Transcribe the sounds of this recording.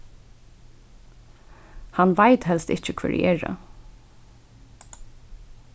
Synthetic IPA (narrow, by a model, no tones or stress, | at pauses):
hanʋaɪt̪ɦɛlst̪ɪçc͡çəkʰv̥ɛ̰ːɹ̰ʔɛːɹa̰